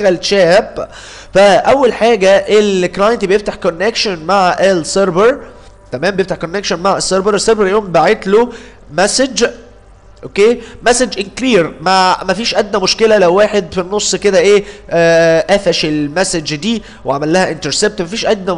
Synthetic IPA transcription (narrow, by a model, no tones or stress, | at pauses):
ɣælʃæːb | fæʔæwːælħaːɡæʔelklɑjent̪ibejeft̪aħkonːekʃonmaʕʔelseɾbeɾ | t̪æmæːmbejeft̪aħkonːekʃonmaʕesːeɾˤbeɾesːeɾbeɾljoːmbaʕet̪lo | mæsed͡ʒ | ʔokeːmæsed͡ʒʔenkliːɾmæmæfiːʃʔæd̪næmoʃkelælæwːaːħed̪finːosˤːked̪æʔeː | ʔæfæʃelmæsed͡ʒd̪iː | weʕamælːæhæʔɪnt̪eɾseb̚t̪mæfiːʃʔæd̪næ